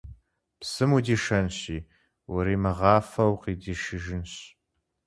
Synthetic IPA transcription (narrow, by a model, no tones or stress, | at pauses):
psɨmudiːʃɐnɕiː | wɐɾiːmɨʁɑːfɐwqiːdiːʃɪʒɪnɕ